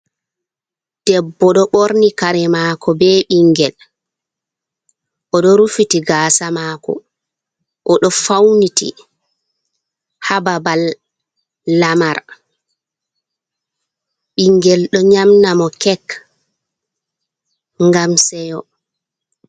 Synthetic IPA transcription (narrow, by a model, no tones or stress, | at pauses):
d̥ɛbːɔɗɔɓoɾnikaɾɛmaːkʰɔbɛɓiŋɡɛl | ʔɔɗɔɾufitiɡaːsamakɔ̰ | ʔɔɗɔfawnitḭ | hababalː | amaɾ | ɓiŋɡɛlɗɔɲamnamɔkɛk | ŋɡamsɛjɔ